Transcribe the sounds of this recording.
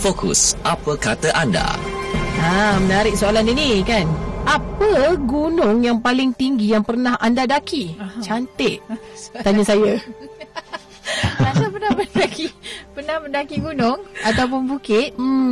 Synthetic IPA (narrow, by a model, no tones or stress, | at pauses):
fokṵsʔapəkat̪əʔanda̰ | ãmənaɾɪk̚soalaninikanʔapəɡunʊŋjaŋpalɪŋt̪iŋɡijaŋpərnaɦʔandadakit͡ʃant̪ɪʔt̪aɲasaja | asapənamənadakipərnahməndakiɡunʊŋat̪awp̬ʊnbukɪt̪̩̚